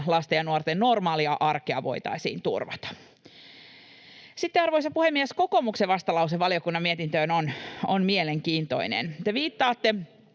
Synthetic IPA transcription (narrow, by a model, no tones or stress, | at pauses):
lɑst̪ejɑnuort̪ennormɑːliɑʔɑrkiɑ̰ʋo̞̰jt̪ɑ̰isḭːnt̪ṵrʋɑt̪ɑ̥ | sit̪ːeɑrʋoisɑpuhemːiesko̞ko̞mukseʋɑst̪ɑlɑws̬eʋɑliokunːɑmmiet̪int̪øːnononmieleŋkiːnt̪o̞̰inḛnt̪eʋiːt̪ːɑːt̪ːe